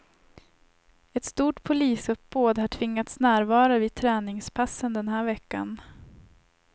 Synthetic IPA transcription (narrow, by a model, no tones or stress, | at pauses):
ɛt̪st̪uːʈpʰʊliːsɵpːboːd̪haʈʰvɪŋːat̪snæːɾvɑːɾaviːd̪̚t̪ʰɾɛːnɪŋspʰasːənd̪ɛnɦæːɾvɛkːan